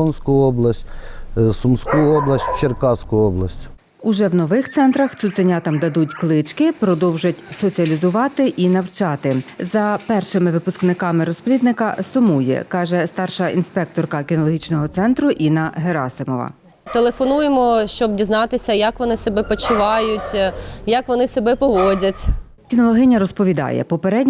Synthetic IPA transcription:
ɔnsʲkʊjɔblˠɐsʲtʲsumskujɔblˠɐsʲtʲt͡ʃerkɑsʲkʊjɔblˠɐsʲtʲ | ʊʒɛwnɔʋɪxt̪sɛnt̪ɾɐxt̪sʊt̪senʲat̪ɑmd̪ɐd̪utʲklˠɪt͡ʃkɪpɾɔd̪ɔwʒɐtʲsɔt͡sʲiɐlʲizʊʋɑt̪ɪʔinɐwt͡ʃɑt̪ɪzɐpɛrʃɪmɪʋɪpʊsknɪkɑmɪɾɔsplʲid̪nɪkɐsʊmujɛ̰kɑʒɛst̪ɑrʃɐʔinspɛk̚t̪ɔrkɐkʲinɔlˠɔɦʲit͡ʃnɔɦɔt̪sɛnt̪ɾʊʔinɐɦeɾɑ̰sɪmɔʋɐ̰ | t̪elˠefɔnujemɔʃt͡ʃɔb̚dʲiznɑt̪ɪsʲɐjɐkʋɔnɪsɔbɛpɔt͡ʃʊʋɑjʊtʲjɐkʋɔnɪsʲɔbɛpɔʋɔdʲɐtʲ | kʲinɔlˠɔɦɪnʲɐɾɔspɔʋʲid̪ɑ̰jɛ̰pɔpeɾɛdʲnʲ

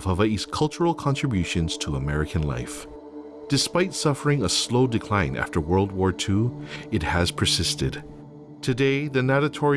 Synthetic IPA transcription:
vʌviskʰʌlˠt͡ʃə˞l̩ˠkʰɑ̃ntɹ̥ɨbjʉʃɨ̃nz̥tʰəəmɛɹɨkʰɨ̃nla̰ɪf | d̥ɨspaɪtsʌfə˞ɪ̃ŋəsloʊdɨkʰl̥ãɪ̃nʔæ̰ftə˞wɜ˞lˠd̚wɔɹtʰuɨt̚hɨz̥pʰə˞sɪstɨ̰d̥ | tʰɨdeɪðɨnæɾɨtʰɔɹi

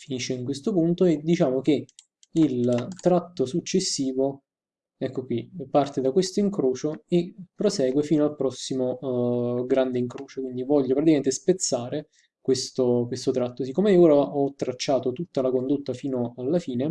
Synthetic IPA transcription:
finiʃːeiŋkwest̪opunt̪oed̪ːit͡ʃaːmok̟e | ilt̪ɾat̪ːosut͡ʃːesːiːvo | ɛkːokwipart̪ed̪akwest̪oiŋkɾoːt͡ʃoepːɾosɛːɡwefiːnoalpɾɔsːimo | ɡɾand̪eiŋkɾoːt͡ʃokwind̪ivɔʎːopɾat̪ikament̪espet̪sːaːɾe | kwest̪okwest̪ot̪ɾat̪ːos̬ikːoːmeioːɾaʔɔt̪ːɾat͡ʃːaːt̪ot̪ut̪ːalakond̪ot̪ːafiːnoalːafiːne

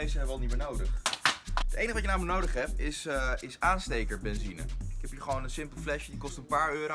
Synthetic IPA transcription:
esəɛʋɑlˠnitmɪːnowdəχ | ətejnəʋɑtjənaːmənowdəχɦɛp̚ɪsɪsaːnstejkəɹbɛnzinə̰ɪkɛpjəχʋownənsɪmpəlˠflɛʃjədikɔstənpaːɹøːɾo

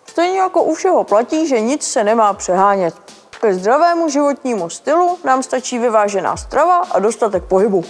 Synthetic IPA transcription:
st̪ɛjɲɛjako̞ʔufʃɛɦo̞placiːʒɛɲɪt͡ssɛnɛmaːpr̥ɛɦaːɲɛt̪ | kɛzd̪ɾavɛːmuʒɪvo̞t̪ɲiːmust̪ɪlunaːmst̪at͡ʃiːvɪvaːʒɛna̰ːst̪ɾavaʔado̞st̪at̪ɛk̚po̞ɦɪbu

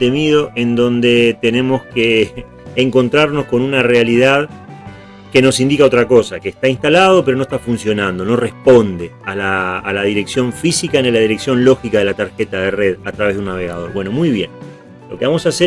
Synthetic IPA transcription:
t̪e̞miðo̞ʔe̞nd̪o̞nd̪e̞t̪e̞ne̞mo̞skeː | ŋko̞nt̪ɾaɾno̞sko̞nunarealiðað | ke̞no̞sind̪ikaot̪ɾako̞sakeːst̪ainst̪alað̞ope̞ɾo̞no̞est̪afunsjo̞nãnd̪o̞no̞re̞hpo̞nd̪eala̰ːlaðiɾe̞ksjo̞ɱfisikanelaðiɾe̞ksjo̞nlo̞xikaðe̞lat̪aɾxet̪aðereðat̪ɾaβe̞ðunːaβ̞eɣað̞o̞ɾβwe̞no̞mujβje̞̰n | lo̞keβamo̞sase

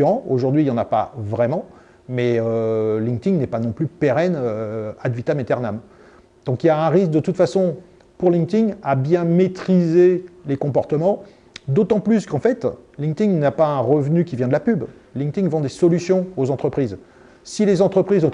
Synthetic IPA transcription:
ʁɑ̃oʒuʁd̪ɥiljɑ̃napa̰vʁɛmɑ̃ | mɛølĩŋkt̪iŋnɛpanɔ̃plypeʁɛnøad̪vit̪amet̪ɛʁnam | d̪̥ɔ̃kiljaɛ̃ʁis̬k̚d̪ət̪ut̪fasɔ̃ | puʁlĩŋkt̪iŋabjɛ̃met̪χizelekɔ̃pɔʁt̪əmɑ̃ | d̪ot̪ɑ̃plyskɑ̃fɛt̪ | lĩŋt̪iŋnapaɛ̃ʁəvnykʲivjɛ̃d̪əlapyb | lĩŋt̪iŋvɔ̃d̪esɔlysjɔ̃ozɑ̃t̪χəpχiz | silezɑ̃t̪χəpχizɔ̃

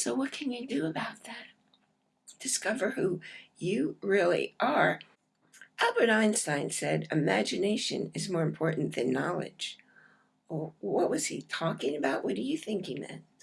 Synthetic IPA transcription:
soʊwʌt̚kʰɨ̃njɨdɨəbaʊt̪̚ðæt̚ | d̥ɨskʌvə˞hujɨɹɪlˠḭʔə˞ | ʔælˠbəɾãɪ̃nstãɪ̃nsɛɾɨmæd͡ʒɨneɪʃɨ̰̃nɨzmɔɹɨ̃mpʰɔɹʔn̩ðɨ̰̃nːɑlˠɪ̰d̥ʒ̥ | wʌt̚wʌz̥itʰɔkɪ̃ŋɨbaʊʔwʌɾə˞jɨθɪ̃ŋkɪ̃ŋðɛ̰̃n

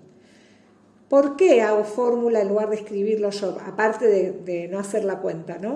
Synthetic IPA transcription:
po̞ɾkeaɣofo̞ɾmulaenluɣ̞aɾðeskɾiβ̞iɾloʃopa̰paɾt̪eðed̪eno̞aseɾlakwe̞nt̪anõ

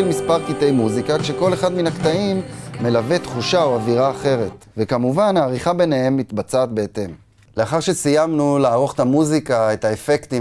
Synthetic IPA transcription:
lmispaʁkit̪e̞jmuzikakʃe̞ko̞le̞χad̪minakt̪aimːe̞lave̞t̪χuʃaoaviʁaːχe̞ʁe̞t̪ | ve̞kamuvanhaːʁiχabe̞ne̞he̞mːit̪bat͡saːt̪̚be̞et̪e̞m | le̞aχaʁʃe̞sijamnulaːʁo̞χet̪amuzikae̞t̪aefe̞kt̪i

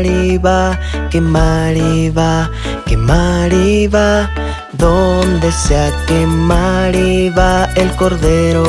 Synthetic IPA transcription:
ɾiβakemaɾiβa | kemaɾiβa | ðond̪eseakemaɾiβaelkoɾðeɾo

